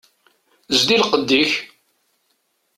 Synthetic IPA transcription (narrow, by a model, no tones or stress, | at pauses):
zd̪ilqəd̪ːiç